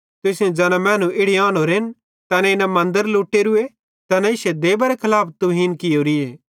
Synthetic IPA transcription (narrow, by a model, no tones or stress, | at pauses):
t̪ʊsjõd͡ʒɐːnãmɛ̃ːnũʔɪɽiaːnoɾen | t̪ɛːnɛ̃ɪnãmɐ̃nd̪əɾluːʈːeːɾʊe | t̪ɛːnɛ̃ɪsɛd̪eːbɐɾekʰɐlaːpʰt̪ʊɦiːnkɪjoːɾɪeː